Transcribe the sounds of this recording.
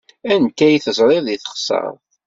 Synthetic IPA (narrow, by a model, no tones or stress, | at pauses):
ænkːæjθəzˤɾˤɪðˤiθə̥χsˤɑ̰ɾˤ